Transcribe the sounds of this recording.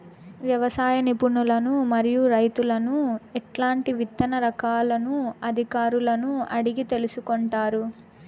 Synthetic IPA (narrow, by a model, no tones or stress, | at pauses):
ʋjɐʋɐsaːjɐnipuɳːulɐnumɐɾijuɾɐjt̪ulɐnuɛʈlaːɳʈiʋit̪ːɐnɐɾɐkaːlɐnuɐd̪ʱikaːɾulɐnuɐɽiɡit̪e̞lusukoɳʈaːɾu